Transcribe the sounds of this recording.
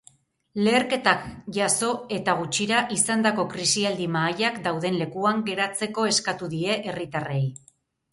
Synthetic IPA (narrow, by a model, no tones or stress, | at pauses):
le̞ːɾke̞t̪akʝaso̞e̞t̪aɣ̞ut͡ʃiɾaʔisand̪ako̞kɾisiald̪imaːjakd̪awðe̞nle̞kuaŋɡe̞ɾat͡se̞ko̞e̞skat̪uðie̞ʔerit̪are̞j